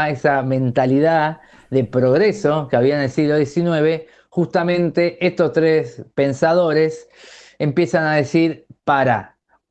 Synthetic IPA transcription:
esamẽ̞nt̪aliða | ðepɾo̞ɣɾe̞so̞keaβianelsiɣlo̞ðjesinwe̞βe̞ | xust̪amẽ̞nt̪e̞ʔest̪ost̪ɾespe̞nsað̞o̞ɾes | empje̞sanaðesiɾpaɾa̰

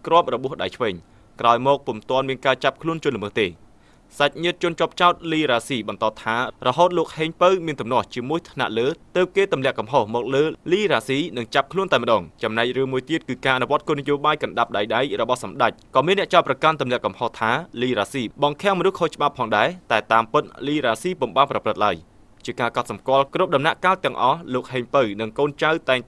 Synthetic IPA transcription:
krŏəp̚rɔɓŭəhɗajt͡ɕʰʋəːɲ | kraɔjmɔːk̚pumt̪ŏənmiənkaːt͡ɕap̚kʰluənt͡ɕʊ̆ənluməːht̪eː | sac̚ɲɨət̪̚t͡ɕʊ̆ənt͡ɕŏəp̚t͡ɕaɔt̪̚liːɾaːsiːɓɑnt̪ɑːt̪ʰaːrɔɦoːt̪̚loːk̚heːɲpəwmiənt̪umnŏəht͡ɕiəmuəjt̪ʰna̰ʔləːt̪əːp̚keːt̪umlɛ̆əʔkɑmɦohmɔːk̚ləːliːraːsiːnɨŋt͡ɕap̚kʰluənt̪aɛməɗɑːŋt͡ɕɑmnaɛc̚rɨəŋmuəjt̪iət̪̚kɨːkaːʔanuʋŏət̪̚koːnijoːɓaːjkɑnɗap̚ɗajɗajrɔɓɑhsɑmɗac̚kɑːmiənːɛəʔt͡ɕaɔt̪prɑkant̪umlɛ̆əʔkɑmhoht̪ʰaːliːɾaːsiːɓɑŋkʰɛ̆əŋmɔnuhkʰoːt͡ɕə̆ɓapʰːɑːŋɗaɛt̪aɛt̪aːmpɨt̪̚liːɾaːsiːpumɓaːnprɑprɨt̪̚laəj | t͡ɕiəkaːkɑt̪̚sɑmkŏəlkrup̚ɗɑmnaʔkaːt̪t̪ːɛ̆əŋʔɑhloːk̚heːɲpəwnɨŋkoːnt͡ɕawt̪aɛŋ

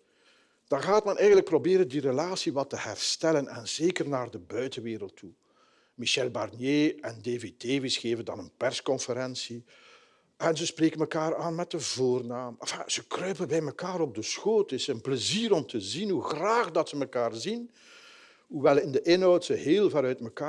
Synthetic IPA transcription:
d̥ɑɣaːtmɛnɛjɣəndlək̚probeːɾəndirəlaːsiʋɑtəhɛ̰rstɛlənɛ̰nzeːkərnaːrdəbœɥtənʋeːɾəlˠtʰːu | miʃɛlˠbɑrnjeːɛndeːvedeːvisxeːvəndɑ̰nənpɛrskɔnfəɾɛnsi | ʔɛnzəspreːkənməkaːɾaːnmɛt̚əvoːrnaːmfaz̥əkrœːpənbɛjməkaːɾɔb̚dəsxoːtɪsənpləziːɾɔmtəzinɦuxraːxdɑtsəməkaːrzin | ɦuʋɛlˠɪndəʔɪnɦɔwtsəɦeːlˠvaɾœɥtməkaː

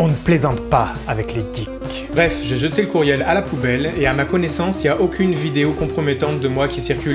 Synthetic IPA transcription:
ɔ̃nəplezɑ̃t̪pa | avɛkled̪ik | bʁɛfʒeʒət̪eləkuʁjɛlalapubɛleamakɔnɛsɑ̃siljaʔokʲynvid̪eokɔ̃pχɔmɛt̪ɑ̃t̪̚d̪əmwakʲisiʁkʲyl

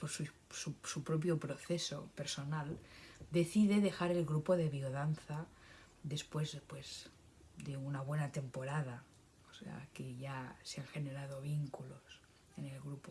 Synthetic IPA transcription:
poɾsu | susupɾop̬jo̞pɾo̞θeso̰pe̞ɾso̞nald̪e̞θiðeðe̞xaɾe̞lɣɾupo̞ðe̞βioðanθa | ðe̞spwezpwez | d̪eunaβ̞we̞nat̪e̞mpo̞ɾað̞a | osḛa̰keʝaseaŋxe̞ne̞ɾað̞oβ̞iŋkulos | ene̞lɣɾupo

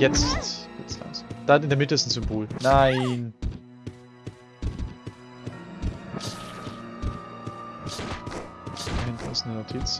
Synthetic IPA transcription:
jɛt͡stjɛt͡stla̰ːsd̥aɪndeɐmɪtəɪsn̩zʏmboːlnaɪn | aɪn̩ɪsnənotʰit͡s

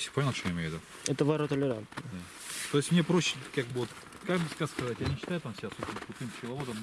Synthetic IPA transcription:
fsʲe̥ponʲɪlˠt͡ɕojɛɪmʲejʊvʲɪd̪u | ɛt̪əvɐɾət̪əlʲɪɾant̪nd̪a | t̪oɪsʲmnʲepɾoɕːɪ̥kaɡ̚bɨvot̪ | kakbɨskaskɐzatʲjanʲɪɕːɪt̪ajʊt̪amsʲɪbʲasobʲsʲnəkɾʊt̪ɨmpsʲɪlˠɐvod̪əm

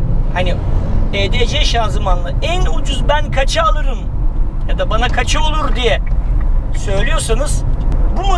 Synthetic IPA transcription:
hanieːd̪ed͡ʒɛʃaːzɯmanlˠɯænud͡ʒuzbænkʰat͡ʃʰɯalˠɯɾɯm | jad̪abanakʰat͡ʃʰɯo̞lˠuɾd̪ijɛ | sø̞jlʲijo̞ɾsanɯz̥bumu

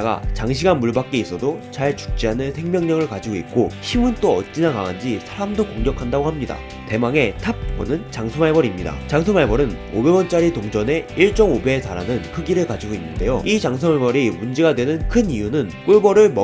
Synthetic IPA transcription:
aɡa̰t͡ɕaŋɕʰiɡanmuɭbak͈e̞is͈ʌdot͡ɕaɭt͡ɕu̥k̚t͡ɕ͈iɦanɯnsʰe̞ŋmjʌŋɲʌŋɯɭkad͡ʑiɡoit̚k͈oɕʰimɯnt͈oʌ̰t̚t͡ɕ͈inakaŋand͡ʑisʰaɾamdokoŋɡjʌkʰandaɡohamɲida̰ | te̞maŋe̞tʰap̚kʌ̰nɯnt͡ɕaŋsʰomaɭbʌɾimɲida̰t͡ɕaŋsʰomaɭbʌɾɯno̰be̞wʌnt͡ɕ͈aɾitoŋd͡ʑʌne̞iɭt͡ɕ͈ʌmobe̞taɾanɯnkʰɯɡiɾɯɭkad͡ʑiɡoinːɯnde̞joit͡ɕaŋsʰomaɭbʌɾimund͡ʑe̞ɡadwe̞nɯnkʰɯnijunɯnk͈uɭbʌɾɯɭmʌ

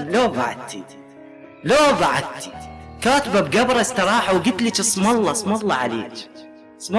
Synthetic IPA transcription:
loːɡa̰ʕa̰d̪t̪ʰi | loːɡɑʕa̰d̪̚t̪ʰi̥kaːt̪babɡabɾˤɑst̪ɑɾˤɑːħawɡɪt̪lit͡ʃɨsˤmɑlˤːɑsˤmɑlˤːɑʕa̰lḛː | sˤmɑ

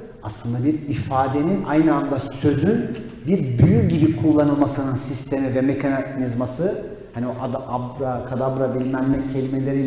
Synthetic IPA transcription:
aslˠɯnd̪abiɾifaːd̪e̞nina̰jnɯand̪asø̞zyn | biɾbyjyɟibikʰulˠːanɯlˠmasɯnɯnsist̪ʰe̞mivɛmekʰananizmasɯ | hanioʔad̪aabɾakʰad̪abɾabilʲimænmɛcʰe̞lʲime̞lʲe̞ɾi

